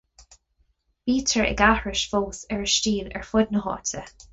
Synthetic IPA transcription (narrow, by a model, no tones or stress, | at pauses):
b̥iːtʰəɹɪ̰ɡahɹɪʃfoːsɛɹəʃt͡ʃiːnə̰ɹfʊd̪nəhɔ̰ːtʰə